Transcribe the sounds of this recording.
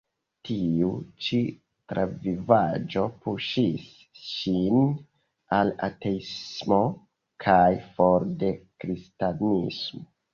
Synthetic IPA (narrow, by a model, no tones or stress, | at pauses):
tʰiut͡ʃi | tɾʔavivad͡ʒo̞puʃis | ʃin | ala̰te̞ismo̞ | kʰajfoɾde̞kɾistanismo